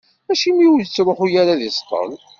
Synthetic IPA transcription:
mæʃimiuwlt͡sːɾˤoħujaɾaðisq̪ə̰n

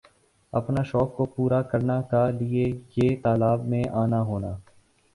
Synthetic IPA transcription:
ɐ̰pnaʃɔːkːopuːɾakɐɾnakalɪejeːt̪aːlaːbmẽʔaːnaɦoːnaː

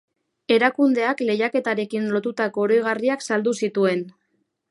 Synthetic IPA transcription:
e̞ɾakund̪e̞akle̞jake̞t̪aɾe̞kinlo̞t̪ut̪ako̞ːɾojɣ̞ariaksald̪usit̪ue̞n

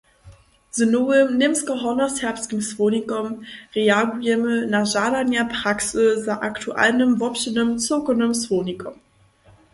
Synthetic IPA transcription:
z̥ənoənɪmskəɦɔnəshɛɐpskiŋsv̥oːnikɔmʁeaɡujɛmənaʒaːdanjapʰʁ̥aksəzaʔaktʰuʔa̰lnəmvɔpɕənəmt͡sokənəmsvoːnikʰɔm

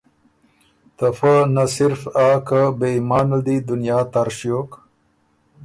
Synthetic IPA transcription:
t̪ɐfanɐsiɾfaːkabeimaːnɐd̪id̪unjaːt̪aɾɕjoːk

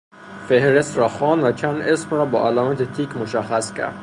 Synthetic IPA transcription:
fehɾest̪ɾɒːxɑːnd̪væt͡ʃʰænd̪esmɾɒːbɒːʔælɒːmæt̪ʰet̪ʰiːkmoʃæxːæscʲʰæ̰ɾd̪̥

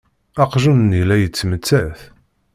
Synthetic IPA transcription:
ɑqʒunnilæjət͡sːmət͡sːæθ

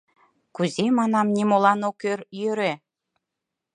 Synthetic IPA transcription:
kuzemɑnɑmnimolɑnokørjøɾe

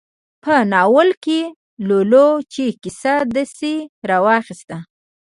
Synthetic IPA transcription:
pənɑwəlke | lolot͡ʃekɪsad̪aseɾɑwɑxist̪a

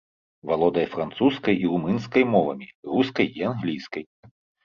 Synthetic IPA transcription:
valˠɔd̪ɐjfɾant̪suskɐjirumɨnskɐjmɔvɐ̰mʲiruskɐjianɣlʲijskɐj

